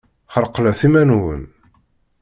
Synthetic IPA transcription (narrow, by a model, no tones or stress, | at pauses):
χəɾqlæθimænwə̰n